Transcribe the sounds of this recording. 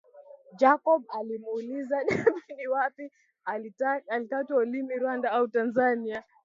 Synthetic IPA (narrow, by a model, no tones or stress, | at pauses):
d͡ʒakɔɓ̚alimuːlizaɗaminiwapi | aaalitatwaɔlimiɾwandaautanzania